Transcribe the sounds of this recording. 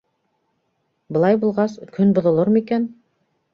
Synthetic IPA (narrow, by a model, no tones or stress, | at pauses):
bɤ̆lˠɑjbulˠʁɑskʰɵnbŏðŏlˠoɾmɤikæn